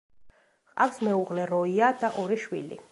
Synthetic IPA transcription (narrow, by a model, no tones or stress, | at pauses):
qʼafsmɛuʁlɛɾɔiad̪aʔɔɾiʃwḭlḭ